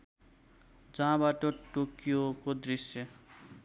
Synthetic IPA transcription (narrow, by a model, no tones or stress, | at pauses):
d͡zʌɦãbaʈʌʈokijokod̪risjʌ